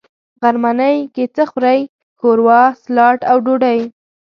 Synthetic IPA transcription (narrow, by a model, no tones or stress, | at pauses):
ɣaɾmanəjket͡səxɾaj | koɾwɑslɑʈawɖoɖaj